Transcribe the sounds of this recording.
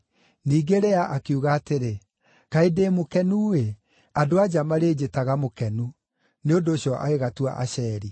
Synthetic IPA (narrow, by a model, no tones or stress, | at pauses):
niːɡeɾɛaʔakeuɣaːteɾe | kaedeːmokɛnuwe | adoad͡ʑamaɾeːd͡ʑetaɣamokɛnu | neondoːɕjɔʔa̰eɣatua̰ʔa̰ɕɛːɾi